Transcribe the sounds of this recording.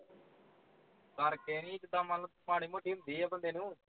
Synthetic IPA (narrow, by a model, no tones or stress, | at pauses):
kəɾkeːnĩːt͡ʃd̪aːmaləpaːɳ̃iːmũːʈiːmd̪iːaːbənd̪eːnũː